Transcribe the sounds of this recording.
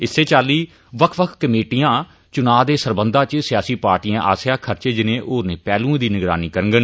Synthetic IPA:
ɪsːeːt͡ʃaːliː | ʋəkʰʋəkʰkəmeːʈijãː | t͡ʃʊnaːd̪eːsəɾbənd̪ãːt͡ʃsɪjaːsiːpaːɾʈiːãːʔa̰ːsjaːkʰəɾt͡ʃeːd͡ʒɪnẽːʔoːnẽːpɛːlũːẽːd̪iːnɪɡɾa̰ːniːkəɾəŋɡən

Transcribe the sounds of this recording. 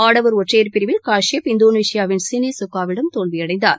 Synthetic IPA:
aːɽɐʋɐɾɔʈrejɐɾpɪɾɪʋɪlkaːʂɪjɐpɪnd̪oːneːsɪjaːʋɪnsɪniːsʊkːaːʋɪɽɐmt̪oːɭʋɪjɐɽɐɪnd̪a̰ːɾ

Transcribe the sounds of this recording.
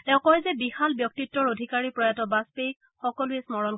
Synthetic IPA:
tɛʊ̃kɔɛzɛbixalbjɔk̚titːɔɹodʱikaɹipɹɔjatɔbaspejk | xɔkɔlʊɛsmɔɹɔn

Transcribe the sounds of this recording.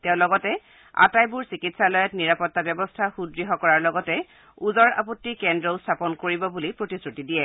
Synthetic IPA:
tɛʊ̃lɔɡɔtɛ | a̰tajbuɹsikitsalɔjɔtniɹapɔtːabjɔbɔstʰaxudɹiɦɔkɔɹaɹlɔɡɔtɛ | uzɔɹa̰potːikɛndɹɔstʰapɔnkoɹibɔbulipɹotisɹutidijɛ

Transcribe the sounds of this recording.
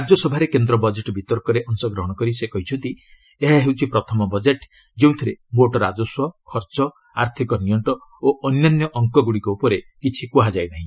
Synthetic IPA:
ɾad͡ʒjɔsɔbʱaɾekend̪ɾɔbɔd͡ʒeʈɔbʱit̪ɔɾkɔɾeʔɔŋsɔɡɾɔɦɔɽ̃ɔkɔɾisekɔɦit͡ʃʰɔnt̪i | eɦaɦewt͡ʃʰipɾɔt̪ʰɔmɔbɔd͡ʒeʈ | d͡ʒeũt̪ʰiɾeboʈɔɾad͡ʒɔswɔkʰɔɾt͡ʃɔ | aɾt̪ʰikɔnijɔɳʈɔoʔɔnjanjɔʔɔŋkɔɡuɽikɔupɔɾekit͡ʃʰikuɦad͡ʒajnaɦĩ

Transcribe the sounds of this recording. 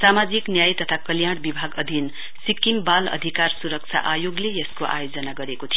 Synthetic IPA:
samad͡ziknjajt̪ʌt̪ʰakʌljaɽ̃bibʱaɡʌd̪ʱin | sikimbalʌ̰d̪ʱikarsuɾʌk̚t͡sʰa̰ʔajoɡlejʌskoʔa̰jod͡zʌnaɡʌɾekot̪ʰijo

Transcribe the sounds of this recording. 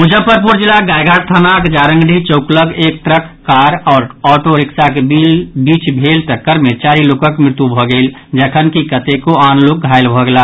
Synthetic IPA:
mud͡ʒəpəɾpuɾd͡ʒilaɡaːjɡʱaɾt̪ʰənakd͡ʒaːɾə̃ŋɡɖʱit͡ʃəʊkləɡeːk̚t̪ɾəkːaːɾɔːɾɔːʈoɾɪksakebilbiːt͡ʃbʱeːlt̪əkəɾmet͡ʃaːɾiloːkəkmɾɪt̪ubʱɔɡəɪld͡ʒəkʰənkikət̪ekoaːnloːk̚ɡʱaɪlbʱɔɡela

